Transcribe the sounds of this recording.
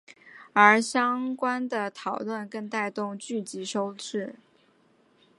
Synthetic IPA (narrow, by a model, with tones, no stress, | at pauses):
ə˞˧˥ɕjɑ˥ŋkwa˥nd̪ə˨t̪ʰɑ˨˩ʊlwə˥˧nkə˥nt̪a˥˧ɪt̪ʊ˥˧ŋt͡ɕy˥˩t͡ɕi˧˥ʂo˥ʊʈ͡ʂɻ̩˥˩